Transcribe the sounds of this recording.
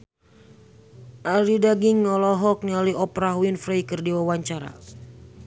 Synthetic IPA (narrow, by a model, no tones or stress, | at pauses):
ʔalidaɡiŋːɔlɔɦɔk̚naliɔpɾaɦwinfɾɛjkərdiwawaɲt͡ʃaɾa̰